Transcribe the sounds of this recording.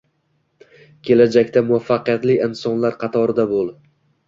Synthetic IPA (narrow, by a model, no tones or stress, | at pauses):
kʲʰe̞lad͡ʒakʲt̪amʊvafːaqɨjat̪lɪɪnsɒnlaɾqʰɑt̪ʰɒɾɪd̪abolˠ